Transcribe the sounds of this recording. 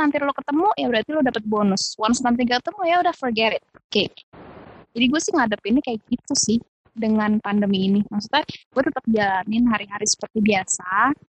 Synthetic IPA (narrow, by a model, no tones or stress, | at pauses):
nant̪ɪlokət̪əmujabəɾart̪ilodapət̪̚bonʊswansnant̪ɪkəkət̪əmujaudahfərɡɛɾɪt̪̚ka | d͡ʒadiɡuasɪhŋadapɪnikajakɡit̪usɪh | dəŋanpandəmiːnimaksut̪aɡ̥uat̪ət̪ap̚d͡ʒalanɪnɦaɾiɦaɾisə̥pərt̪ibiasa